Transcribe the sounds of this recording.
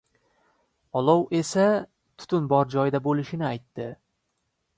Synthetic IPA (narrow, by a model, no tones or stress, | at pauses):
ɒlˠɒwe̞sa | t̪ʰʊ̥t̪ʰʊnbɒɾd͡ʒɒjd̪abolɪʃɪnɪajt̪ːɪ